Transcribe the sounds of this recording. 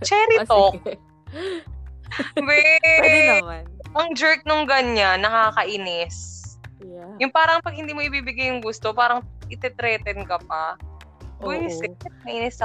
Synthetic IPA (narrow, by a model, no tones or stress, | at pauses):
t͡ʃɛːɾɪt̪o | bɛ | ʔɐŋd͡ʒɛɹk̚noŋɡɐɲanːɐkakɐʔɪnɪs | jʊŋpaːɾɐŋpɐɡ̚hɪnd̪iːmoʔɪbiːbɪɡajːʊŋɡʊst̪opaːɾɐŋʔɪt̪ɛt̪ɾɛːt̪ɛnkɐp̚ɐ | bɛsɛmɐʔiːnɪsɐ